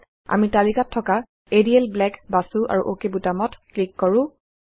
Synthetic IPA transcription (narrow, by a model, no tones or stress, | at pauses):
a̰mitalikatʰːɔka | ediɛlblɛkbasuʔa̰ɹṵʔokebutamɔtklikːɔɹʊ̃